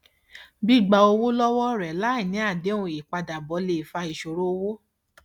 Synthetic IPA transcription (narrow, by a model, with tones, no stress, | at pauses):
bi˦˨ɡ͡ba˧o˧wo˦lɔ˦wɔ˦ɾɛ˨la˨˦i˦˨nĩ˨˦a˦˨de˨˦ũ˧˨i˨k͡pa˧da˨bɔ˨˦le˧˨fa˧i˨ʃo˨ɾo˦o˧wo˦